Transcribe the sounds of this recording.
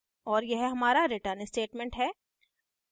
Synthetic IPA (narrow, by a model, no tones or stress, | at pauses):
ɔːɾjɛɦɦɐmaːɾaɾɪʈəɾnsʈeːʈmɛ̃ɳʈɦɛː